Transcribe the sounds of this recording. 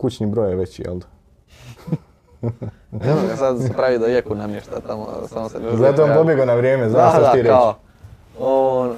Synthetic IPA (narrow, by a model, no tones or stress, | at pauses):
kut͡ɕɲibɾo̞jeʋet͡ɕijḛld̪ḁ | eaɡasad̪sepɾaʋid̪ajekunamjeʃt̪a̰t̪amo̰samosenzat̪oʋampo̞bjeɡonaʋɾjeːmezat̪ot̪iɾeo | on